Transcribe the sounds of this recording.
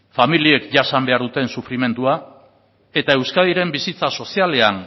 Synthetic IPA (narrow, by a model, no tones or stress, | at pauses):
familie̞kʝasambe̞aɾðut̪e̞nsufɾime̞nd̪ua | e̞t̪ae̞wskaðiɾe̞mbisit͡saso̞siale̞an